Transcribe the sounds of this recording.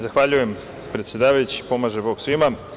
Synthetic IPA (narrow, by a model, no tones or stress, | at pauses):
zaxʋaʎuje̞m | pɾe̞t̪sʲje̞d̪aːʋajut͡ɕi̥po̞maːʒe̞bo̞ːɡsʋima